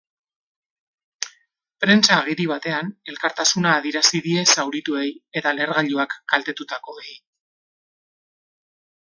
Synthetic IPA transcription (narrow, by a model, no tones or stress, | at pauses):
pɾe̞nt͡saːɣ̞iɾiβ̞at̪e̞ane̞lkaɾt̪asunaːðiɾasiðie̞sawɾit̪ue̞je̞t̪ale̞ɾɣaʎuakɡ̥alt̪e̞t̪ut̪ako̞ej